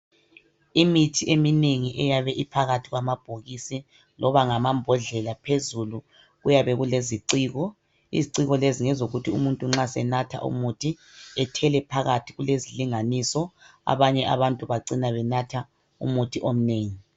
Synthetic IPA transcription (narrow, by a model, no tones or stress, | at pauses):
imitʰiʔemineŋiʔɛjaβɛʔipʰaɣatʰiɣwamab̥ʱoɣisi | lɔβaŋamambʱɔɮɛlapʰezulu | ɣujaβɛɣuleziǀiːɣɔ | ḭziǀiɣɔleziŋɛzoɣutʰiṵmuntʼuŋ͡ǁasɛnatʰa̰ʔṵmutʰi | ɛtʰɛlɛpʰaɣatʰiɣuleziliŋanisɔa̰βaɲɛʔa̰βantʼuβaǀinaβɛnatʰa | ṵmutʰiʔom̩neːŋi